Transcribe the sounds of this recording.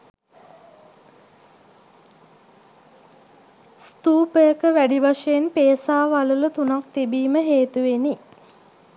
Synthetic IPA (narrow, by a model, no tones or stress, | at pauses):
st̪uːpəjəkəʋæɖiʋaʂəjenpeːsaːʋalulut̪unak̚t̪ibiːməɦeːt̪uʋeni